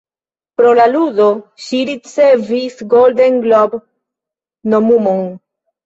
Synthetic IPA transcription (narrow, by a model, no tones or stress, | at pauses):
pɾolaludoʃiɾit͡sevisɡoldenɡlob | nomumon